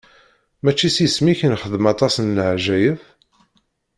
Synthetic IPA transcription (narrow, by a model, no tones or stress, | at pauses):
mæt͡ʃːisjəsmiçənχəðəmɑt̪ˤɑsnləʕʒæjəθ